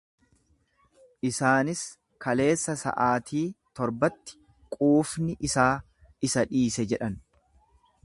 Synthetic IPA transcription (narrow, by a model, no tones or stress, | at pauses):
ʔɪsaːnɪs | kɐle̞ːsːɐsɐ̰ʔaːt̪ʰiːt̪ɔɾbɐt̪ːɪ̥ | kʼuːfnɪʔɪsaː | ɪsɐᶑiːsɛd͡ʒɛᶑɐn